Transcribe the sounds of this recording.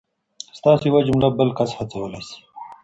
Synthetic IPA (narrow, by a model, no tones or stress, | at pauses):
st̪ɑːsiwad͡ʒumlabəlkashat͡sawəlasi̥